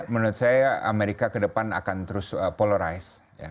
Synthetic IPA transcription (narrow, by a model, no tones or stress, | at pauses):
mənʊɾʊt̪̚sajaa̰meɾikakədəpana̰kant̪əɾʊsəpoləɾajs | ja̰